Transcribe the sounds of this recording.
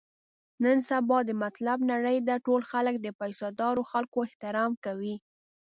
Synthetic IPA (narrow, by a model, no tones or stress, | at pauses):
nənsabɑd̪əmat̪labnaɽəjd̪aʈolxaləkd̪əpajsɑd̪ɑɾoxalkoɪht̪ɪɾɑmkawi